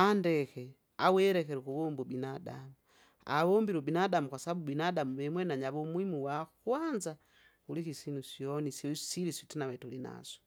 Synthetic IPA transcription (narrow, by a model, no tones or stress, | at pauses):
andɛkɛ | awɛɾɛkɛɾukuβɔmbubinadamu | a̰βɔmbiɾɔbinadamukwasaβaɓubinadamuβɛmwɛnaɲaβɔmwimuwakwanza | ulikisinusjɔnisɔsilisitinaβɛtulina̰sɔ̥